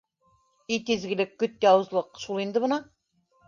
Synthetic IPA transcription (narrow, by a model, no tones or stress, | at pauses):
ijt̪izɡʲɪ̆lɘkːɵt̪̚jɑwɤ̆zlˠɤqʃulˠind̪ɘbɤ̆nɑ